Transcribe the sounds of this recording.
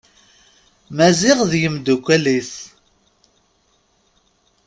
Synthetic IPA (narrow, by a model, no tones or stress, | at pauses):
mæzɪʁðjəmd̪ukʷːæliθ